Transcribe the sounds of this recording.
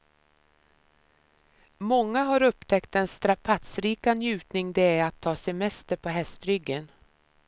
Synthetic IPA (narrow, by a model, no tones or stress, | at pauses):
mɔŋːaɦaɾɵpt̪ʰɛkt̪ɛnst̪ɾapʰat̪sɾiːkanjʉ̟ːt̪nɪŋd̪ɛæɾat̪ʰːɑːsɛmɛst̪əɾpʰɔɦɛst̪ɾʏɡːən